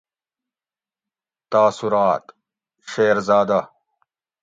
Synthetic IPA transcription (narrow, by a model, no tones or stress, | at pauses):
t̪aːsuɾaːt̪ | ɕeːɾzaːd̪ɐ